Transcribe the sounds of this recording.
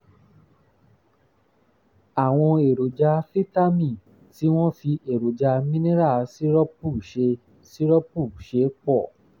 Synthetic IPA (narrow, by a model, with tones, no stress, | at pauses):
a˨w̃ɔ̃˧e˨ɾo˨d͡ʒa˧fi˦ta˦mĩ˦˨ | ti˨˦w̃ɔ̃˦fi˧e˨ɾo˨d͡ʒa˧mĩ˦nĩ˦ɾa˦˨si˦ɾɔ˦pu˦˨ʃe˧ | si˦ɾɔ˦pu˦˨ʃe˨˦k͡pɔ˦˨